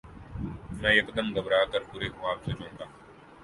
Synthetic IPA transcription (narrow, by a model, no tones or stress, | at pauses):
mɛ̃ːjɐkd̪əmɡəbɾaːkəɾpʊɾeːɦʊaːbseːd͡ʒõːt̪aː